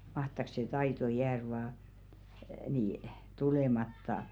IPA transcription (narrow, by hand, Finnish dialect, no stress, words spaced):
mɑhtɑk se tɑito jæːr ʋɑː niː tulemɑtːɑ